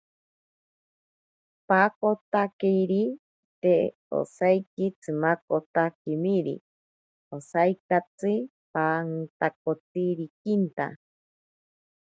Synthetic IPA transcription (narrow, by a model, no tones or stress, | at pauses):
paːkot̪akejɾi | t̪e | o̰sajkit͡sʰɨmakot̪akimiɾḭ | osajkat͡sɨ | pant̪ak̚ot̪iɾikint̪a̰